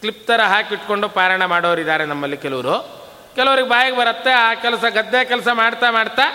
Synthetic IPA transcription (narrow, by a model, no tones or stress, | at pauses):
klip̚t̪ɐɾɐɦaːkiʈko̞ɳɖupaːɾɐɳɐmaːɽoːʋɐɾid̪aːɾenɐmːɐlːikɛluʋɐɾu | kɛlɐʋɐɾiɡebaːjɐɡebɐɾɐt̪ːeaːkɛlɐsɐɡɐd̪ːeːkɛlɐsɐmaːɽt̪amaːɽt̪ːeː